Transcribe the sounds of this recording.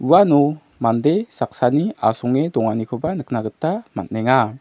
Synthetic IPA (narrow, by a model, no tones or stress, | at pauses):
uwanɔ | mandesak̚saniasɔŋedɔŋanikʰobanək̚naɡətːama̰t̚nɛŋa